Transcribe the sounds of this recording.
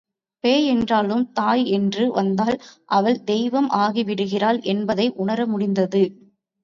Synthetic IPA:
peːɛndraːlɯmt̪aːjɛndrɯʋɐnd̪aːlʔɐʋɐɭd̪ɛjʋɐmʔaːɣiʋɪɽɯɣɪraːlʔɛnbɐðɐɪʔʊɳɐɾɐmʊɽɪnd̪ɐðɯ

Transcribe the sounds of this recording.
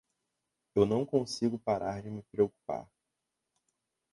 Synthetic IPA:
ewnɐ̃w̃kõsiɡʊpaɾʔaɾd͡ʒɪmɪpɾeoku̥pa̰ɾ

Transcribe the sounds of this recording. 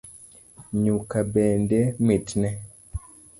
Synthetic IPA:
ɲukabɛndɛmitnɛ

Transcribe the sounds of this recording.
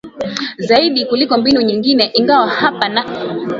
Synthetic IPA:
zaiɗikulikɔmbinuɲiŋɡinɛʔiŋɡawahapana

